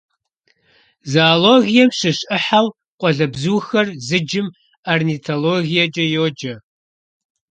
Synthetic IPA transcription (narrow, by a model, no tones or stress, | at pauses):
zaːloːɣijɛmɕɨɕʼɨħaw | qʷʼɔɮɐbzuːxɐrzɨd͡ʒɪm | arnitʰoloːɣijɐt͡ʃʼɐjoːd͡ʒɐ